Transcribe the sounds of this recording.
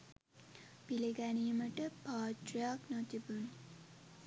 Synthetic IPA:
pileɡænijəməʈəpaːʈriaknot̪ibun

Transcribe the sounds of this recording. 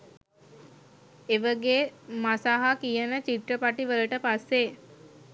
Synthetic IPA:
eʋəɡeːmasaːɦakijənət͡ʃiʈrəpaʈiʋələʈəpasːe

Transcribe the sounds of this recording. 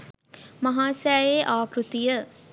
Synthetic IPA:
mɐɦaːsɛjjeʔaːpɾut̪ijə

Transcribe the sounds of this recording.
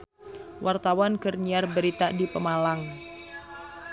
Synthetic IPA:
wʔart̪awankərɲiarbəɾit̪adipəmalaŋ

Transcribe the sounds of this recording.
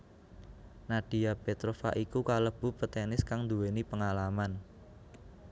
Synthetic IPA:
naɖ̥i̤apet̪ɾofa̰ʔikukaləb̥ṳpət̪enɪskaŋnd̪uwenipəŋalaman

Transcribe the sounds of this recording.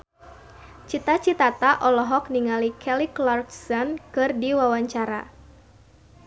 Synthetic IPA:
t͡ʃit̪at͡ʃit̪at̪aʔɔlɔɦɔk̚niŋalikʰɛliklarksɔnkɨrdiwawaɲt͡ʃaɾa̰

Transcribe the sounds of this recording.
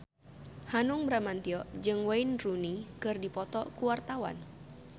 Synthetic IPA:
hanuŋbɾamant̪iɔʔd͡ʒɨŋwainrunikɨrdipɔt̪ɔkuwart̪awa̰n

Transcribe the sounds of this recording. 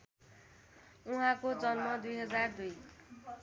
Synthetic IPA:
uɦãkod͡zʌnmʌd̪ujɦʌd͡zard̪uj

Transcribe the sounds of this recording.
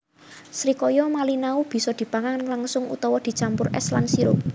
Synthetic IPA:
sɾikɔjɔmalinaub̥i̤sɔd̪̥i̤paŋanlaŋsʊŋṵt̪ɔwɔd̪̥i̤t͡ʃampʊrɛ̰slansiɾʊ̰p̚

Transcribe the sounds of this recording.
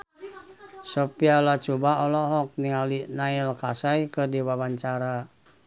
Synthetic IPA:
sɔpialat͡ʃubaɔlɔɦɔk̚niŋalinailkasajkərdiwawaɲt͡ʃaɾa

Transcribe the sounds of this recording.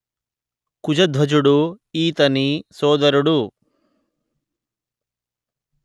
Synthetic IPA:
kud͡ʒɐd̪ʱʋɐd͡ʒuɽuiːt̪ɐnisɔːd̪ɐɾuɽu

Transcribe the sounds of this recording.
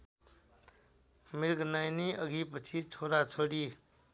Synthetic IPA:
miɾɡnajniʌɡʱipət͡sʰitʰoɾat͡sʰoɽi

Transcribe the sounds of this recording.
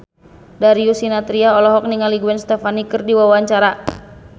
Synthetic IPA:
daɾiusinat̪ɾiaɔlɔɦɔk̚niŋaliɡuɛnst̪ɛfanikɨrdiwawaɲt͡ʃaɾa

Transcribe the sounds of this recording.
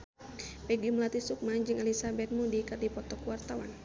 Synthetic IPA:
pɛɡiməlat̪isuk̚mad͡ʒɨŋɛlisabɛt̪̚mudikɨrdipɔt̪ɔkwart̪awa̰n

